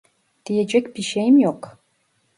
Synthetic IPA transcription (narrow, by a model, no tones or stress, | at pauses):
d̪̥ijɛd͡ʒɛkʲbiʃejmjoq